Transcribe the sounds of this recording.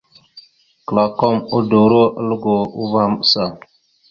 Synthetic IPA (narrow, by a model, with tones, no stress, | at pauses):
kə˨la˨ko˦˨mu˦do˨ɾo˦ə˦lu˦ɡo˨u˦va˦˨m˦sa˨